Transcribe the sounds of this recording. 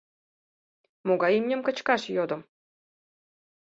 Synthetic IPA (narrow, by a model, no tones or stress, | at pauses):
moɡɑjimʲnʲĕmʲkɤ̆t͡ɕkɑʃjod̪ɤ̆m